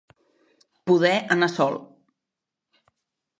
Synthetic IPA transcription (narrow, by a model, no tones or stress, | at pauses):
puðɛʔənasɔlˠ